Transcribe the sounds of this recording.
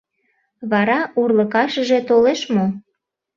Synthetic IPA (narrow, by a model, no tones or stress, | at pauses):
βɑɾɑurləkɑʃəʒe̽t̪oleʃmo